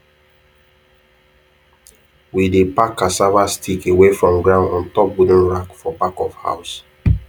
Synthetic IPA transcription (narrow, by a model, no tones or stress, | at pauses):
widepakasavastʰikewefɹɔ̃mɡɹãʊ̃ndɔ̃ntɔp̚budə̃nɹakfɔpakɔfha̰ʊs